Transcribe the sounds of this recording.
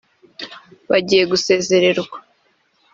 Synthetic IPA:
βaɟije̞ɡuse̞ːze̞ɾe̞ɾɡwa

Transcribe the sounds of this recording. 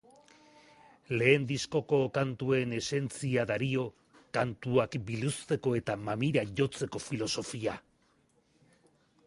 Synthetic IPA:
le̞ːnd̪isko̞ko̞kant̪ue̞ne̞se̞nt͡siaðaɾio̞ | kant̪uakbilust̪e̞ko̞e̞t̪amamiɾaʝo̞t͡se̞ko̞filo̞so̞fia

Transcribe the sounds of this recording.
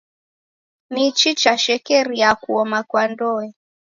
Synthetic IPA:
nit͡ʃit͡ʃaʃɛkɛɾijakuɔmakwandɔɛ

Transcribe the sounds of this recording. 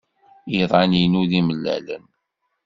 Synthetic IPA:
iðˤɑninuðiməlːæ̰lə̰n

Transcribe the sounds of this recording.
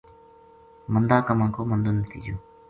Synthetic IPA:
mənd̪aːkəmãːkoːmənd̪onət̪ʰḭːd͡ʒoː

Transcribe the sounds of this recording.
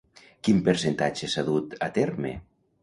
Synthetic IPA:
kimpeɾsent̪at͡ʃesaðut̪at̪eɾmḛ

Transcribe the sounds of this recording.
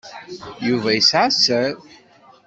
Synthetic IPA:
juvæjəsʕasəð

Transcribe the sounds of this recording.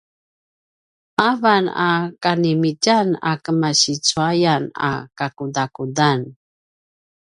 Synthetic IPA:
ʔavanakanimicana̰kəmaɕit͡suajana̰kakudakudan

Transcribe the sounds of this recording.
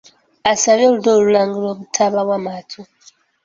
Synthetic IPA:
asaɾjoludolulaŋɡiloβutʰaβaβwamatʰu

